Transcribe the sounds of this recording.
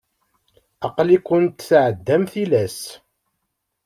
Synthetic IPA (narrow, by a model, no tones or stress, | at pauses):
ɑqlikːʊnt̪sʕəd̪ːæmθilæs